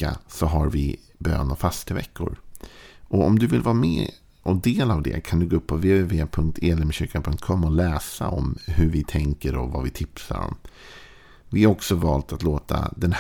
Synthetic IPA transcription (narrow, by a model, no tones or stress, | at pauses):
asɔɦaɾvɪ | bø̰ːnɔfast̪əvɛkːʊɾ | ʔɔɔmd̪ɵvɪlvɑːmɛ̰ː | ʔɔd̪eːlavd̪ɛ̰kʰand̪ɵɡoːɵpʰːɔveːeveːpʰɵŋk̚t̪ʰeːlɛmɕʏːɾkanpʰɵŋt̪̚kʰɔmːɔlɛːsaɔmɦɵɾvɪt̪ʰɛŋkəɾɔvavɪt̪ʰɪpsa̰ɾɔ̰m | vɪhaɾɔksɔvɑːlt̪ʰat̪loːt̪ʰa̰d̪ɛnh